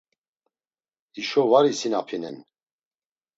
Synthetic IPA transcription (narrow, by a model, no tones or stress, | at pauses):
iʃɔvaɾisinapʰinɛ̰n